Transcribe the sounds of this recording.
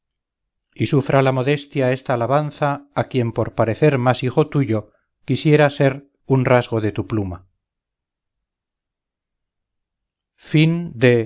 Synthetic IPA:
isufɾʔalamo̞ðe̞st̪jae̞st̪aːlaβanθaːkje̞mpo̞ɾpaɾe̞θe̞ɾmasixo̞t̪uʝo̞ | kisje̞ɾase̞ɾ | unrazɣo̞ðe̞t̪upluma | find̪e̞

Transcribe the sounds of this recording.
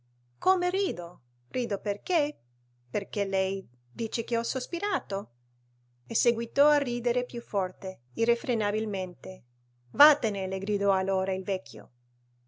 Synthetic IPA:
komeriːd̪o | riːd̪operke | perkelɛj | d̪iːt͡ʃek̟eɔsospiɾaːt̪o | eseɡwit̪ɔariːd̪eɾepjufːɔrt̪e | irefɾenabilment̪e | vat̪eneleɡɾid̪ɔalːoːɾailvɛkːjo̰

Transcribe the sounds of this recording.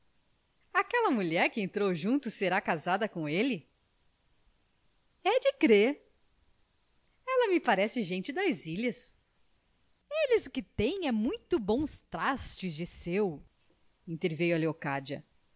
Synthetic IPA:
akɛlɐmuʎɛɾkɪẽnt̪ɾowʒũnt̪ʊseɾakazad̪ɐkõelɪ | ɛd͡ʒɪkɾeɾ | ɛlɐmɪpaɾɛsɪʒẽnt͡ʃɪd̪ɐziʎɐs | elɪzʊkɪt̪ẽj̃ɛmũj̃t̪ʊbõw̃st̪ɾast͡ʃɪzd͡ʒɪsew | ĩnt̪eɾvejuɐleokad͡ʒiɐ̰

